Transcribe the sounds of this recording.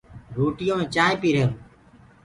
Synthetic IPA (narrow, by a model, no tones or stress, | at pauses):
ɾoːʈɪjõːmẽːt͡ʃaːɦẽːpiːɾeːɾũː